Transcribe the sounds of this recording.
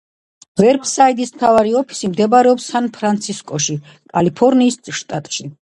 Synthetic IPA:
vɛɾbsait̪ʼismt̪ʰavaɾiɔpʰi̥simd̪ɛbaɾɛɔpsanpʰɾant̪sʰiskʼɔʃi | kʼalipʰɔɾniːsʃt̪ʼat̪ʼʃi

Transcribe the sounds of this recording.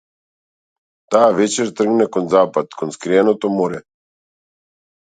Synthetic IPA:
t̪aːʋɛt͡ʃɛɾt̪r̩ɡnɛkɔnzaːpat̪kɔnskɾiɛnot̪omoɾɛ

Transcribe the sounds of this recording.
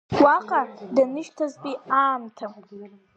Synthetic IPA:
waqʼadanɨʃtʰazpʼiaːmtʰam

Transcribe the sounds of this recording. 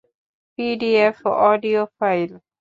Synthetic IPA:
piɖiɛfɔɖiofaɪl

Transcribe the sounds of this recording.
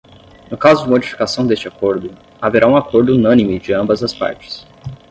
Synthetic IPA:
nʊkazʊd͡ʒɪmod͡ʒifi̥kasɐ̃w̃d̪est͡ʃɪakoɾd̪ʊ | aveɾʔaũakoɾd̪ʊunɐ̃nimɪd͡ʒɪɐ̃mbɐzɐspa̰ɾt͡ʃɪ̥s

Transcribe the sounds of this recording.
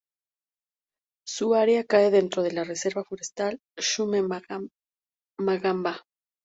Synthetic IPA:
suaɾjakae̞ðe̞nt̪ɾo̞ðe̞lare̞se̞ɾβafoɾe̞st̪al | ʃume | maɣamba

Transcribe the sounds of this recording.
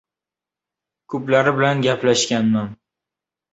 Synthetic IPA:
kʰɵplaɾɪbɪlanɡʲaplaʃkʲanman

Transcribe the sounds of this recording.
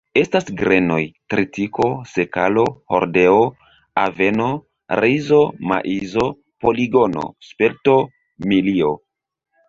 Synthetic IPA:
e̞stasɡɾe̞no̞jtɾitiko̞se̞kalo̞ho̞̰ɾde̞o | a̰ve̞no | ɾʔizoma̰ʔizo̞ | po̞liɡo̞no̞̰spelto̞ | milio

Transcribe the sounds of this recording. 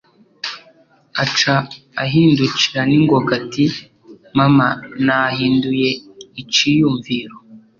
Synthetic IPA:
at͡ʃaː | ɦiːnduciɾaniŋɡokati | mamanaɦiːndujeit͡ʃijuɱviːɾo

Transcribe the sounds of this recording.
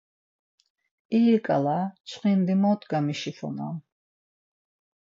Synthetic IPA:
iːɾkʼa̰lat͡ʃʰχind̪imɔːt̪ʰɡamiʃifɔ̰na̰m

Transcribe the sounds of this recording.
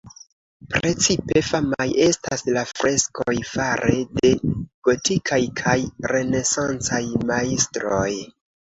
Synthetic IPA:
pɾe̞t͡sipe̞famaje̞staslafɾe̞skʰojfaɾʔe̞de̞ɡ̥o̞tikʰajkʰajɾe̞ne̞sant͡sajmaistɾo̞j

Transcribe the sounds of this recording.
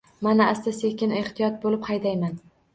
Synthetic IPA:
manaast̪asekʲɪne̞ht̪ʰijɒt̪̚bolɪphɑjd̪ajman

